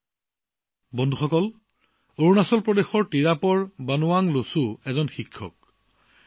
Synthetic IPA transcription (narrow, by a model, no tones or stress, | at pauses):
bɔndʱuxɔkɔl | oɹunasɔlpɹɔdexɔɹtiɹapɔɹbanʊwaŋlosuɛzɔnxikʰːɔ̰k̚